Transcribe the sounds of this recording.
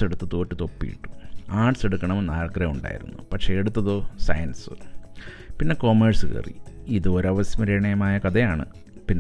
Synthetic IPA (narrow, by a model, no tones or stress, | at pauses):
eɽut̪ːɨt̪o̞ːtːɨt̪o̞pːḭjḭʈːu̥aːʈse̞ɽukːɐɳɐmnaːrkɐɾɐuɳɖa̰ːjḭɾṵnːupɐkʂe̞ːɽut̪ːɐðo̞ːsɐ̰jɐnsɨ | pinːe̞ko̞ːmersɨkḛːrḭiðɨoɾɐʋɐsjmɐɾeɳɐjɐmaːjɐkɐðɐjaːɳɨ̰ | pinː